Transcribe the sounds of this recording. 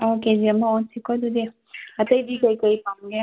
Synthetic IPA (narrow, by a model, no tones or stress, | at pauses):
oːked͡ʒiɐmːaonsikod̪ud̪i | ɐt̪ɐjd̪ikojkojpamɡe